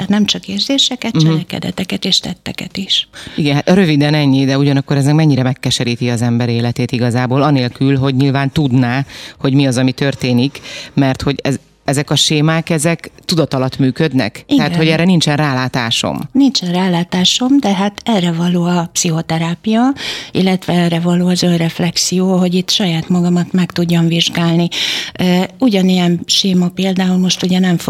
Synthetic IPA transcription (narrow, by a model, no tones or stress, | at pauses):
nɛmt͡ʃɒkeːrzeːʃɛkɛt̪t͡ʃɛlɛkɛ̰d̪ɛ̰t̪ɛkɛt̪eːʃt̪ɛt̪ːɛ̰kɛ̰t̪iʃiɡɛɦat̪ɾø̞vid̪ɛnɛɲːid̪ɛuɟɒnɒkːo̞ɾɛzɛkmɛɲːiɾɛmɛkːɛʃɛɾiːt̪iɒzɛmbɛɾeːlɛt̪eːt̪iɡɒzaːboːlɒneːlkylɦo̞ɟɲilvaːnt̪ud̪naːho̞ɟmiɒzɒmit̪ørt̪eːnikmɛrt̪ho̞ɟɛ | ɛzɛkɒʃeːmaːkɛzɛkt̪ud̪ɒt̪ɒlɒt̪myːkød̪nɛ̰kt̪iɛɦaːt̪ho̞ɟɛrɾːɛnint͡ʃɛnraːlaːt̪aːʃo̰mnint͡ʃɛnraːlaːt̪aːʃo̞md̪ɛɦat̪ɛrɛvɒloːɒpsiɦo̞t̪ɛɾaːpijɒḭlːɛt̪ʋɛɛrɛvɒloːɒzønrɛflɛksijoːɦo̞ɟit̪ʃɒjaːt̪mɒɡɒmɒt̪mɛkt̪uɟːoɱviʒɡaːlniøːuɟɒnijɛnʃeːmɒpeːld̪aːulmo̞ʃt̪uɟɛnɛɱf